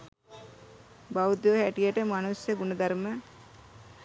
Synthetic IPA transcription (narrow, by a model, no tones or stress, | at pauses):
bawd̪oʋhæʈijəʈəmanusjəɡunəd̪ɐɾmə